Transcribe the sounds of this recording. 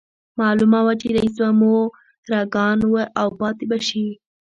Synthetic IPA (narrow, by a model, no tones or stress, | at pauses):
mɑlumawat͡ʃeɾais̬bamo | ɾaɡɑnwəʔawpɑt̪ebaʃi